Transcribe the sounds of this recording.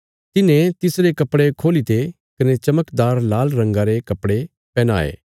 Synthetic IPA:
t̪ɪnẽt̪ɪsɾekɐpːɽekʰoːlit̪e | kɐnet͡ʃɐməkd̪aːɾlaːlɾɐ̃ŋɡaɾekɐpːɽe | pɛːna̰ːḛː

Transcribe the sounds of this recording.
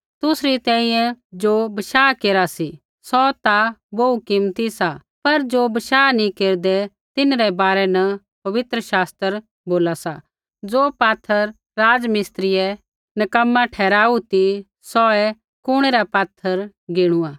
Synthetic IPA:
t̪ʊsɾit̪ɛ̃ːĩjɛ̃d͡ʒoːbɐʃaːkeːɾasi | sɔt̪aboukɪmt̪isa | pɐɾd͡ʒoːbɐʃaːnĩkeːɾd̪ɛ | t̪ɪnɾɛbaːɾɛnɐ | pɐʋɪt̪ɾəʃaːst̪əɾ | boːlasa | d͡zoːpaːt̪ʰːəɾ | ɾaːd͡ʒmɪst̪ɾɪjɛ | nɐkəmːãʈʰɛːɾaːut̪i | sɔɛ | kʊɽ̃eɾapaːt̪ʰːəɾ | ɡɪɽ̃ʊaː

